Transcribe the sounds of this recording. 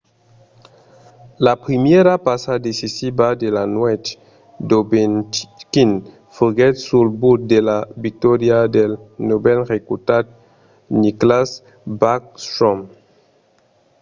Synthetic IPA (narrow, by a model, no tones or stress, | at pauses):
lapɾimjeɾapasad̪esisibad̪elanwet͡ʃ | d̪obenkin | fuɡɛt̪sulbut̪̚d̪elavik̚t̪ɔɾjad̪elnobɛlʁekut̪at̪̚ | niklas | bakst̪ɾom